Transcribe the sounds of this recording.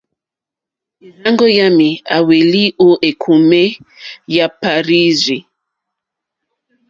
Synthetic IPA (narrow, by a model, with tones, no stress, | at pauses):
e˨na˦ŋɡɔ˦ja˦mi˨a˨we˨li˦o˦ʔe˨kʰu˨me˦ja˦pa˨ɾi˦zi˨